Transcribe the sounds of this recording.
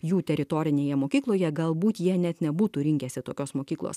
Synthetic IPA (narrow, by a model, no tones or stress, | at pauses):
juːt̪ʲɛɾʲɪt̪oːɾʲɪnʲeːjɛmoːkʲiːklˠoːjɛɡɐlˠbuːt̪jiɛnʲɛt̪nʲɛbuːt̪uːɾʲɪŋʲkʲɛsʲɪt̪oːkʲoːsmoːkʲiːklˠo̰ːs